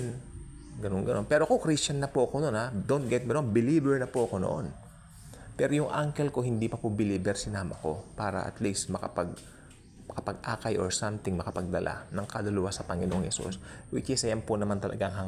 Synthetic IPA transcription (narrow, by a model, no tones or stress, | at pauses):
n | ɡɐnonɡɐno̞npɛːɾokokɾist͡ʃɐnːɐpoʔɐko̞nonhad̪ont̪̚ɡɛt̪̚minonbɪliːbɛɹnɐpoʔɐko̞no̰ʔo̰n | pɛɾojʊŋʔaŋkɛlko̞hɪnd̪iːpɐpʊbɪliːbɛɾsɪnaːmɐko̞paːɾɐ̰ʔɐ̰t̪list̪mɐkɐpɐɡ̚ | mɐkɐpɐɡ̚ʔaːkɐjʔoɹsamt̪ɪŋmɐkɐpɐɡ̚d̪ɐlʔa̰nɐŋkɐlʊlʊwasɐpɐŋɪnoʔoŋhɛsṵswɪt͡ʃɪsɐjanponɐmant̪ɐlʔɐ̰ɡaʔŋɦɐŋ